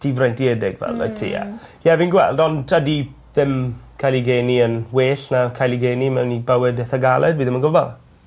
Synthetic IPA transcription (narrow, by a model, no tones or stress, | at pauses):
d̥ivrɛjntiɛdɪɡvɛ̰lˠə̰tʰḭa̰jɛvinɡwɛ̰lˠdɔndədi | ðɪmkʰajliɡeːniənweːɬnakʰajlˠiɡeːnimɛwnːibawɛdɛθaɡalˠɛdviːðɪmənɡʊbɔlˠ